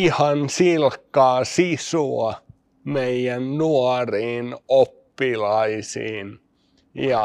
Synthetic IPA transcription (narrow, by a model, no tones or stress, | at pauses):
ihɑnsilkːɑːsisuɑ | meijænnuɑriːnopːilɑisḭːn | jɑ